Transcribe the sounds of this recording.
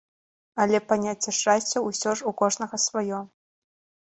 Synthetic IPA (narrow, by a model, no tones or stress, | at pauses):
alʲɛpɐnʲat͡sʲːɛʂasʲt͡sʲɐusʲɔʐukɔʐnɐɣɐsvɐjɔ